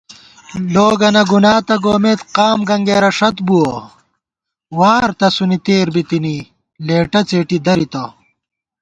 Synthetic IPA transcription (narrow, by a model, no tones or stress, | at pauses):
loːɡɐnɐɡunaːt̪ɐɡoːmeːt̪qaːmɡɐŋɡeːɾɐʂɐt̪buwɐ | waːɾt̪ɐsunit̪eːɾbit̪ini | leːʈɐt͡seːʈid̪ɐɾit̪ɐ